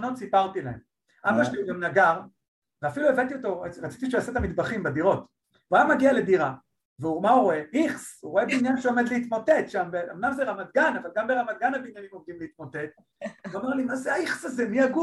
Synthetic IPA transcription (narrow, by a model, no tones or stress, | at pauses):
no̞t̪sipaʁt̪ilahḛm | abaʃlilemnaɡaʁ | veafiluevant̪ijot̪o̞eʁat͡si̥t̪iʃeaset̪amid̪baχimbed̪iʁo̞t̪ | vajamaɡiale̞d̪iʁa | veumauʁoeiχsuʁoebeinjanʃeo̞med̪liit̪mote̞t̪ʃambea̰mnamzeʁamad̪ɡanavalɡambeʁamad̪̚ɡanabinjanimo̞md̪imleit̪mote̞d̪ | vamaʁlimazeaiχsazemiaɡu